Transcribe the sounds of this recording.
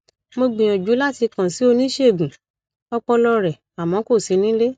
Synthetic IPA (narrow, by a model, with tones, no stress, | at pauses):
mo˧ɡ͡bĩ˨j̃ɔ̃˨d͡ʒu˨˦la˦ti˧kã˨si˨˦o˧nĩ˦ʃe˦˨ɡ͡bũ˨ | ɔ˧k͡pɔ˧lɔ˧ɾɛ˨ | a˨mɔ̃˨˦ko˦˨si˨˦nĩ˦le˦